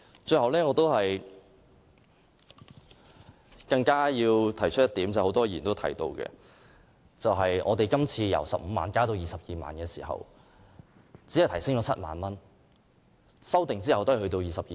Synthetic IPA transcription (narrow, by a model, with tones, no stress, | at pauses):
t͡ʃɵ˧ɥhɐ˨wlɛː˥ŋɔː˨˧t̪o˥wɦɐ˨j | kɐ˧ŋkaː˥jiː˧wt̪ʰɐ˨˩jt͡ʃʰɵ˥t̚jɐ˥t̪iː˨˥mt͡sɐ˨˩ho˨˥wt̪ɔː˥jiː˨˩nt̪o˥wt̪ʰɐ̰˨˩jt̪o̰˧wkɛ̰˧ | t͡sɐ˨wɦɐ˨jʔɔ̰ː˨˧t̪e˨jkɐ˥mt͡sʰiː˧jɐ̰˨˩wsɐ˨p̚m̩ː˨˧maː˨˧nkaː˥t̪o˧wjiː˨sɐ˨p̚jiː˨ma̰ː˨nkɛː˧sḭː˨˩ɦɐ̰˨˩w | t͡si˨˥ɐ˨˩jt̪ʰɐ˨˩jsɪ˥ŋt͡ʃɔː˨˧˥t͡sʰɐ˥t̚ma̰ː˨nmɐ˥n | sɐ˥wt̪ɪ˨ŋt͡siː˥hɐ˨wt̪o˥ɐ˨˩hɵ˧t̪o˧wjiː˨sɐ˨p̚i˨